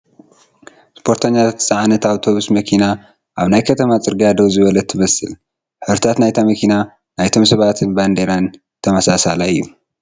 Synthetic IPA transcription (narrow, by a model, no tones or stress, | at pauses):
spʰo̞ɾt̪ʰɐɲːat̪ʰsʼaʕanɐt̪aβt̪ʰo̞βusmɐkʰina | ʔaβnajkʰɐt̪ʰɐmat͡sʼɨɾɡiad̪owzɨβɐlɐt̪ʰːɨmɐsɨ̰l | ħɨβɾɨt̪ʰat̪najt̪ʰamɐkʰina | najt̪ʰo̞msɐβat̪ʰɨnband̪eɾan | t̪ʰɐmɐsasalaɨjːu